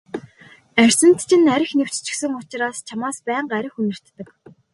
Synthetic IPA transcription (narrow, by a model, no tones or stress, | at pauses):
ær̥ʲsɘ̆n̥t̪t͡ɕʰɪ̆næɾʲɪ̆xnew̥t͡ɕt͡ɕɪ̥̆xsɘ̆ŋʊt͡ɕɪ̆ɾaːst͡ɕʰamaːspæːɴɢæɾʲɪ̆xunɘ̆r̥t̪ːə̆k